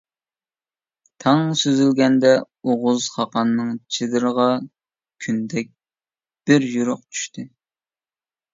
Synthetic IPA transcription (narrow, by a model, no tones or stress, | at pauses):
t̪ʰɑŋsøzylɡʲɛnd̪ɛ | oʁʊzχɑqɑnːɨŋt͡ʃʰɪd̪ɨɾəʁɑ | kʲʰynd̪ɛk̚ʲ | b̥ɪɾjuɾʊq̚t͡ʃʰy̥ʃt̪ʰɪ